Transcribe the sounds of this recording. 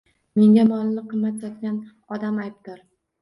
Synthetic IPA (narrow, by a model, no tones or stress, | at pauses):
me̞ŋɡʲamɒlˠɪnɪqʰɨmːat̪jɒt̪kʲan | ɒd̪amajp̚d̪ɪɾ